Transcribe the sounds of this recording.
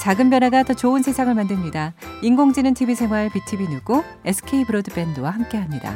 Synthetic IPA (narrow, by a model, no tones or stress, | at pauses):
t͡ɕaɡɯmpjʌnɦaɡatʌt͡ɕoɯnsʰe̞sʰaŋɯɭmandɯmɲidaiŋɡoŋd͡ʑinɯntʰibisʰe̞maɦaɭpitʰibinuɡo | e̞sʰɯ̥kʰeipɯɾodɯp͈e̞ndɯwaɦamk͈e̞ɦamɲida̰